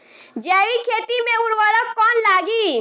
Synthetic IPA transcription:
d͡ʒɛːikʰeːt̪imẽʊɽʋəɾəkkɔːnlaːɡi

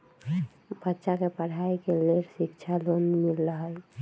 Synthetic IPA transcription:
bətːʃakepəɽ̤ʱaikeleɾsikt͡ʃʰalonmilːəɦəl

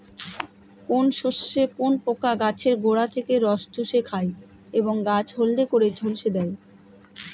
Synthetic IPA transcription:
konʃoʃːekonpokaɡat͡ɕʰeɾɡoɽat̪ʰekeɾɔʃd͡ʑuʃekʰae | eboŋɡat͡ɕʰɦold̪ekoɾed͡ʑʱolʃed̪ɛj

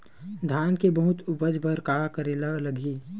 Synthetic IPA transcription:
d̪ʱaːnkebɐɦʊt̪ʊpəd͡ʒbʱəɾkaːkəɾelaləɡiː

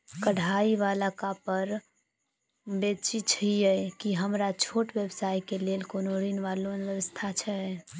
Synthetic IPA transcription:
kəɽ̤ʱaiʋalakapəɾ | bet͡ʃit͡ʃʰijɛkiɦəmɾat͡ʃʰoʈbəbsaikelelkonoɾinʋalonʋjəʋəst̪ʰat͡ʃʰɛ

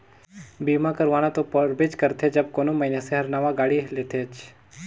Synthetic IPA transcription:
biːmãkəɾʋaːnat̪opəɾbed͡ʒkɐɾt̪ʰed͡ʒɐb̚koːnomɐineseɦɐɾnaːʋaɡaːɽileːt̪ʰeːt͡ʃ

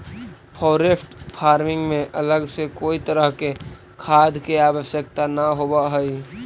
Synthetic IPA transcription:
pʰɔːɾesʈpʰaːɾmɪ̃ŋɡmẽʔələɡsekoːit̪əɾəɦke | kʰaːd̪ʱkeaːwəʃjək̚t̪anaɦoːbaɦɛi

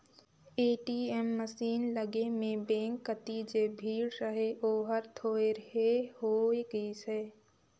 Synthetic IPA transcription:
eːʈiːɛmːəsiːnləɡemẽbɛ̃ːŋkːət̪id͡ʒeːbʱiːɽɾəɦeʔoːɦəɾt̪ʰoːeɾəɦeɦoːiɡəisɛː

